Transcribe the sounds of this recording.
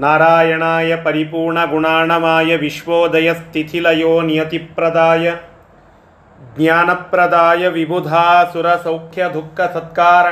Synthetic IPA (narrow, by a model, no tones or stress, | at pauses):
naːɾaːjɐɳaːjɐpɐɾipuːɾɳɐɡuɳaːɳɐmaːjɐʋiʃʋoːd̪ɐjɐst̪ʰit̪ʰilɐjoːnjɐt̪ipɾɐd̪aːjɐ | ɡɲjaːnɐpɾɐd̪aːjɐʋibʱud̪ʱaːsuɾɐsɐwkʰjɐd̪ʱukʰːɐsɐt̪̚kaːɾɐ